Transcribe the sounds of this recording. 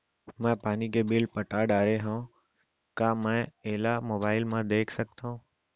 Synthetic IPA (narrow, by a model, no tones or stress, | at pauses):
mɛ̃ːpaːnikebɪlpəʈaːɖaːɾeɦã | kaːmɛ̃ːɛɦlamoːbaːɪlmãd̪eːkʰsək̚t̪ãũː